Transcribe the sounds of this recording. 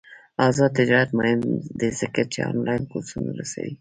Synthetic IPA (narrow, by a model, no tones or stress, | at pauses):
ɑzɑd̪̚t̪ɪd͡ʒɑɾat̪moɦɪnd̪ezəkat͡ʃḛɑ̰nlɑjnkoɾsunaɾasa̰wi